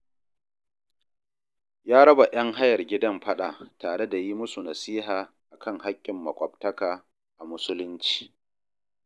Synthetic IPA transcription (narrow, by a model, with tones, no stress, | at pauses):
jaː˦ɽɐ˦ba˨ʔɐ˦ŋɦa˦jɐ˨rɡʲɪ˦dɐ˦mɸɐ˦ɗaː˨taː˨ɽe˦da˨ji˦mʊ˦su˨nɐ˨siː˦ɦaː˨ | ʔa˨kɐ˦ŋɦa˦kʲʼːɪ˨mːɐ˨kʷʼɔ˨btɐ˦kaː˨ | ʔa˨mʊ˦sʊ˦lʊ˦nt͡ʃi̥ː˨